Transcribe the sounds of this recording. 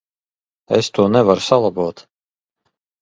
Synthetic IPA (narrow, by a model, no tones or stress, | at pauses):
ɛ̰st̪uɔnɛvaɾsalˠabuːt̪